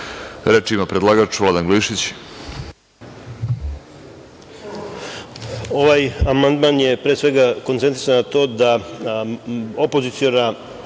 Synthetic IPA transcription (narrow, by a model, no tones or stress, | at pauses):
ɾet͡ʃimapɾed̪lˠaɡat͡ʃʋlad̪anɡliːʃit͡ɕ | o̞ʋajamand̪manjepɾeːsʋe̞ɡako̞nt̪e̞nt̪ɾisanat̪o̞ːd̪a | opozit̪sijona